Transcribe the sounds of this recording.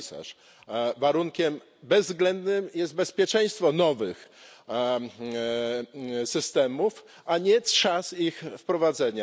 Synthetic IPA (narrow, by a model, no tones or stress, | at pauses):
sa̰ʂ | vaɾuŋkʲɛm | bɛzːɡlɛnd̪nɘmjɛst̪̚bɛspʲjɛt͡ʂɛ̃j̃st̪fɔnɔvɘx | sɘst̪ɛmuf | aɲɛtʂasixfpɾɔvad̪zɛɲa